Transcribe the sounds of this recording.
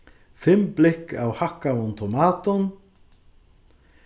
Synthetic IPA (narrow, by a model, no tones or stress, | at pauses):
fɪmːplɪhkːa̰whahkːaʊnt̪ʰɔmaːt̪ʊn